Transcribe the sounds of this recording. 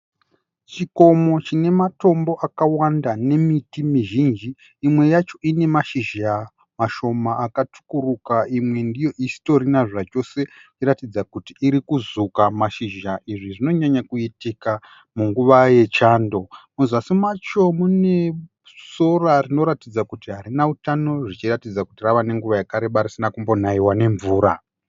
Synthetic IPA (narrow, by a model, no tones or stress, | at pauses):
t͡ʃiko̞mo̞t͡ʃine̞mato̞mbo̞ʔakawandane̞mitimiʒind͡ʒiː | mwe̞jat͡ʃo̞ʔine̞maʃiʒa | maʃo̞maːkatʰu̥kuɾukaimwe̞ndijo̞ʔisi̥to̞ɾinaʐat͡ʃo̞se̞t͡ʃiratid͡zakutiʔːɾikuzukamaʃiʒaʔiʐiʐino̞ɲaɲakuitika | muŋɡuʋaje̞t͡ʃaːndo̞muzasimat͡ʃo̞mune̞ | so̞rarinoɾatid͡zakutiɦaɾinautano̞ʐit͡ʃiratid͡zakutiraʋane̞ŋɡuʋajakaɾeɓaɾisinakumbo̞n̤aiwane̞ɱvuːɾa